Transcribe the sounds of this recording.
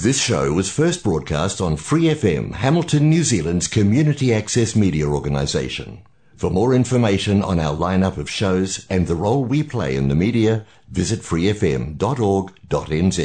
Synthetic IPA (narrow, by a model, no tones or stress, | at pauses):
ðɪsʃoʊwʌz̥fɜ˞s̚b̥ɹɔd̚kʰæ̰stn̩fɹiɛfɛ̰̃mhæml̩ˠtʰɨ̃nːjʉzilˠə̃ndz̥kʰɨmjʉnɨɾiæksɛsmiɾiɨɔɹɡɨnə̰zeɪʃɨ̰̃n | fə˞mɔɹɪ̃ɱfə˞meɪʃɨ̃nə̰̃naʊə˞lãɪ̃nʌpʌv̥ʃoʊzɨ̃nðəɹoʊlˠwipʰl̥ḛɪɨ̰̃nðɨmiɾiɨ | vɪzɨtfɹiɛfɛ̰̃mdɑɾɔɹɡd̥ɑɾɛ̃nzḭ